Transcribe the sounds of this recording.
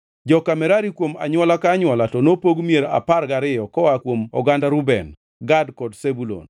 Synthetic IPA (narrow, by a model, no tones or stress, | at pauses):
d͡ʒɔkamɛɾaɾikwoma̰ɲwɔlakaːɲwɔlatɔnopoɡmieɾa̰parɡaɾɪjɔkɔwakwomɔɡandaɾubɛn | ɡadkɔdsebulo̰n